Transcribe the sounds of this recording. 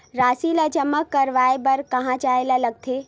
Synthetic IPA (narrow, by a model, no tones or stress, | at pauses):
ɾaːsiləd͡ʒəməkːəɾʋaːebəɾkɐɦãt͡ʃaːelaləɡ̚t̪ʰe